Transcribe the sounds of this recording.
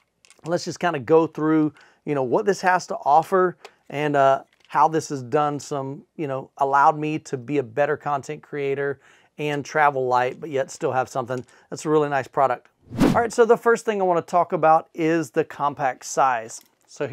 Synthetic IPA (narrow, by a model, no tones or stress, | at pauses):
lətsd̥ʒ̥ʌskʰãɪ̃ndɨɡoʊθɹʉ | jɨñoʊwʌt̪̚ðɪshæz̥tʰəʔɔfə˞ | ʔɨ̃nʌ | haʊðɪsɨzdʌ̃nsʌ̃mjɨnoʊʔəlaʊd̚miɾɨbiɨbɛɾə˞kʰɑ̃ntʰɛ̃nkʰɹ̥ieɪɾə˞ | ɨ̃ntʰɹ̥ævl̩ˠlaɪt̚b̥ʌt̚jɛtstɪlˠəv̥sʌ̃mθɪ̃ŋ | ðætsəɹɪlˠinaɪspʰɹ̥ɑɾək̚t̚ | lˠɹaɪtsoʊðəfɜ˞st̪̚θɪ̃ŋaɪwɑ̃ñətʰɔkəbaʊɾɪzðɨkʰɑ̃mpʰæk̚tsaɪz̥ | soʊ